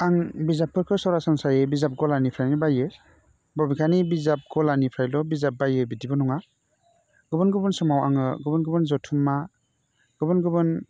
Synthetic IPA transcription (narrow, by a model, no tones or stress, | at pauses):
aŋbizapʰːɯɾkʰɯsɔɾasansajɯbizap̚ɡɔlanipʰɾajnibajɯ | bɔbikʰanibizap̚ɡɔlanipʰɾajlɔbizap̚bajɯbidibɔnɔŋa | ɡ̥ɯbɯnɡɯbɯnsɯmawa̰ŋɯɡɯbɯnɡɯbɯnzɔtʰumːa | ɡ̥ɯbɯnɡɯbɯn